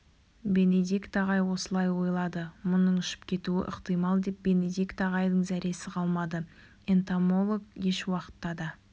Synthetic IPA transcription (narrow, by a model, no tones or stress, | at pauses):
be̞ned̪ikt̪ɑʁɑjwo̞səlˠɑjwo̞jlˠɑd̪əmʊnəɴʏʃɪ̥p̚kʲʰe̞t̪uɪ̰ʔə̰qt̪əjmɑlˠd̪e̞p̚be̞ne̞d̪ikt̪ɑʁɑjd̪əɴzæɾe̞sɪqʰɑlˠmɑd̪ə | ent̪amo̞lˠoɡje̞ʃwɑqə̥t̪ːɑd̪ɑ